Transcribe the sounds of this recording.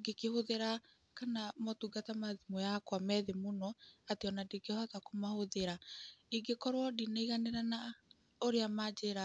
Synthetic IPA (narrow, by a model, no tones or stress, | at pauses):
ɡekehoðeɾa | kanamɔtuɡatamaðimɔjakwamɛðemonɔateɔnadekeɔhatakomahoðeɾaiɡekɔɾwɔdinaiɣaneɾana | oɾeamad͡ʒeɾa